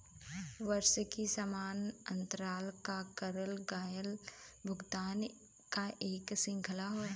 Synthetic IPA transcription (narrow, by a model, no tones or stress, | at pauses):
ʋəɾʃəkisəmaːnə̰̃nt̪əɾaːlkakəɾəlɡaːjəlbʱʊɡt̪aːn | kaʔeːksɪ̃ŋkʰəlaɦo